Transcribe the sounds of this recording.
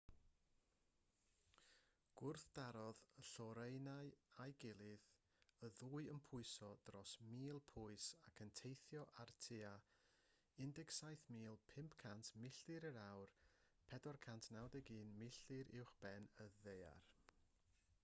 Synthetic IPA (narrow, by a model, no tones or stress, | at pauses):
ɡ̥ʊrθd̥aɾɔðəɬɔɾejnaɨajɡɪlˠɪð | əðuːɨənpʰʊɨsɔd̥rɔsmiːlˠpʰʊɨsakʰəntʰejθjɔʔartʰɪa | ɪndɛksajθmiːlˠpʰɪmpʰkʰantʰmɪɬɨɾəɾawr | pʰɛdɔrkʰantʰnawdɛɡiːnmɪɬɨɾɪwχb̥ɛnəðeja̰r